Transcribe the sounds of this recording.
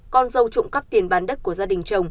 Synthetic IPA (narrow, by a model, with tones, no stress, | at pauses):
kɔ˧nzə˧wt͡ɕʊ̰˧˨ŋ͡mkə˦˥p̚t̪i˨˩ənɓaː˨˩nɗə˦˥t̚ku˧˩əzaː˧ɗï˨˩ŋ̟t͡ɕə˨˧˩wŋ͡m